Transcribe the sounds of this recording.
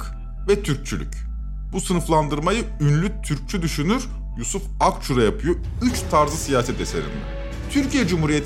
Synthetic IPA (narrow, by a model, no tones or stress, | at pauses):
k | vɛt̪ʰyɾc̚t͡ʃʰylʲy̰c | b̥usɯnɯflˠand̪ɯɾmajɯynlʲyt̪ʰyɾc̚t͡ʃʰyd̪yʃynyɾ | jusufakt͡ʃʰuɾajapʰɯjo | yt͡ʃt̪ʰaɾzɯsijaːsɛt̪e̞se̞̰ɾḭnd̪ɛ̰ | t̪ʰyɾcijɛd͡ʒumhuɾijet̪